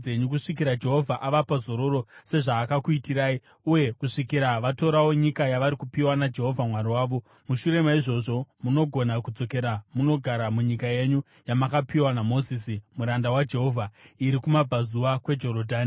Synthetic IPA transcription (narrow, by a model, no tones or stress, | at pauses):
e̞ɲukuʂikiɾad͡ʒe̞ɦo̞vʱaʔaʋapazo̞ɾo̞ɾo̞se̞ʐaːkakuitiraːi | uje̞kuʂikiɾaʋato̞ɾawo̞ɲikajaʋaɾikupiwanad͡ʒe̞ɦo̞vʱamwaɾiwaːʋo̞ | muʃuɾe̞maiʐo̞ʐo̞muno̞ɡʱo̞nakud͡zo̞ke̞ɾamuno̞ɡʱaɾamuɲikaje̞ɲu | jamakapiwanamo̞zisimuɾandawad͡ʒe̞ɦo̞ːvʱaiɾikumabʱazuwakwe̞d͡ʒo̞ɾodʱaːni